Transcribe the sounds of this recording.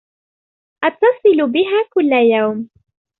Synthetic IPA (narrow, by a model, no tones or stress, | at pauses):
ʔɑt̪ːɑsˤɨlʊbɪɦaːkʊlːajawm